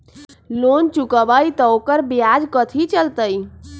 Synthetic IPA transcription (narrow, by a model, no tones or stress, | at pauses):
lont͡ʃukəbait̪əokəɾbijad͡ʒkət̪ʰit͡ʃəlt̪əi